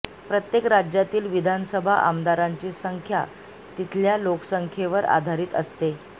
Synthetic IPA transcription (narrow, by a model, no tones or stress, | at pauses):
pɾət̪jekɾad͡ʑjat̪iːlʋid̪ʱansəbʱaʔamd̪aɾaɲt͡ɕiːsəŋkʰja̰ | t̪it̪ʰljaloksəŋkʰeʋəɾa̰d̪ʱaɾiːt̪ə̰st̪e